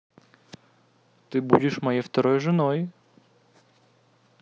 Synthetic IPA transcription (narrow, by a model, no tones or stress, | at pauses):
t̪ɨbṵdʲɪʂmɐjejft̪ɐɾojʐɨno̞j